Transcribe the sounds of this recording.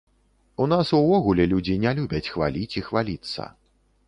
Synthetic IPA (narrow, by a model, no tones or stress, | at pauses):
unasuvɔɣulʲɛlʲud͡zʲinʲɛlʲubʲɐt͡sʲxva̰lʲit͡sʲixvalʲit̪sːɐ̰